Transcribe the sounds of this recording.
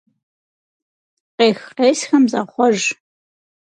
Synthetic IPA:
qeːxqeːsxɐmzɐχʷɔʒ

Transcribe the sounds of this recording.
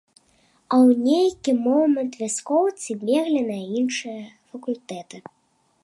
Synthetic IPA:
ɐwnʲejkʲimɔmɐnt̪vʲaskɔwt͡sʲibʲɛɣlʲɛnɐjɐinʂɨjɐfɐkulʲt̪ɛt̪ɨ

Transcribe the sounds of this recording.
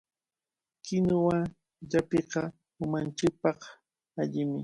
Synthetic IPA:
kɪnʊwaŋ | ʎapeqɑ | ʊmant͡ʃɪk̚pɑq | aʎɪmɪ

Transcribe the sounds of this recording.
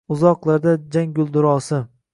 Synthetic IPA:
ʊzɒqlˠaɾd̪ad͡ʒaŋɡʲʊlˠd̪ʊɾɒːsɪ

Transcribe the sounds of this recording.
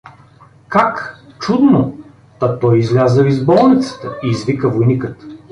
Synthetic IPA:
kakt͡ʃud̪no | t̪ɐt̪ɔjizlʲazəvizbɔlˠnit̪sə̥t̪əiːzvikəvojnikət̪

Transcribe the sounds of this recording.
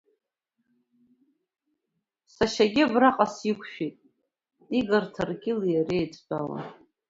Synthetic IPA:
saʃaɡʲiabraqʼasikʷʰʃᶣitʼ | iɡartʰarɡʲɪlijarejt͡sʼbala̰

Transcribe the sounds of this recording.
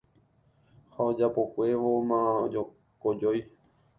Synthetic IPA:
haod͡ʒapo̞kʷe̞ʋomãd͡ʒo | kod͡ʒoj

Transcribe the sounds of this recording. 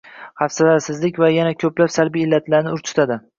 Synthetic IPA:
hafsalaɾsɪzlɪkʲvajanakʲʰɵplapsalbijːɪlːat̪ʰlaɾnɪʊɾt͡ʃ̪ʰʊ̥t̪ʰad̪ɪ

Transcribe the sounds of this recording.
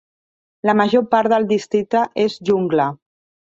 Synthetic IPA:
ləməʒopaɾðəlˠd̪ist̪ɾik̚t̪əʔezʒuŋɡlə

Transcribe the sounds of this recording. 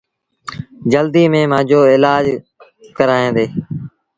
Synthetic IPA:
d͡ʒəld̪iːmẽːmãːd͡ʒoːɪlaːd͡ʒ | kəɾaːẽːd̪eː

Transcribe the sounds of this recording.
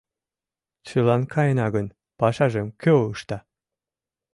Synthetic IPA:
t͡ɕəlɑnkʰɑjenɑɣən | pɑʃɑʒemkʰøəʃt̪ɑ

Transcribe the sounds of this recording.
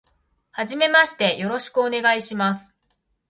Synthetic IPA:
haʑime̞maɕi̥t̪e̞jo̞ɾo̞ɕi̥kɯ̟one̞ɡaiɕimasɨ̥

